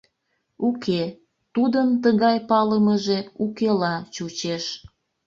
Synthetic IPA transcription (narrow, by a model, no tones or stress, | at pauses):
ukʰe | t̪ud̪ənt̪əɣɑjpɑləməʒeukelɑt͡ɕut͡ɕeʃ